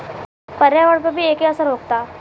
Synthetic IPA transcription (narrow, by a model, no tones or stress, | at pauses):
pəɾjaʋəɽpəbʱiːeːkiəsəɾɦoːk̚t̪aː